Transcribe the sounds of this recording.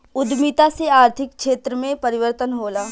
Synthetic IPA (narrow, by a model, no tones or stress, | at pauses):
ʊd̪mit̪aseaːɾt̪ʰɪkʃeːt̪ɾəmẽpɐɾɪʋəɾt̪ənɦoːlaː